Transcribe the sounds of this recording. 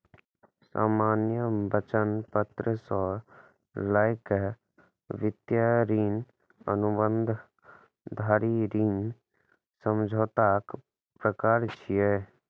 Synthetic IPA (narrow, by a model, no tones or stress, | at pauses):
sa̰ːmaːnjəbət͡ʃənpət̪ɾəsɔː | laːɪk | ʋɪt̪jaɾiːn | ənubə̃nd̪ʱ | d̪ʱaːɾiɾiːn | səmd͡ʒʱoːt̪aːk | pɾəkaːɾt͡ʃʰije